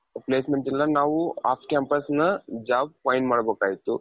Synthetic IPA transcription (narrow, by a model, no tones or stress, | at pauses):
plesmeɳʈinlanaʋuafkɛmpəsnəd͡ʑab̚fainməɽəbəkajt̪o